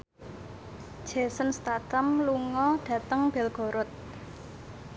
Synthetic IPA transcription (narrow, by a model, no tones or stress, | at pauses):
d̥ʒ̥ɛ̤sənst̪at̪əmluŋɔɖ̥ä̤t̪əŋb̥ɛ̤lɡ̥o̤ɾʊt̪̚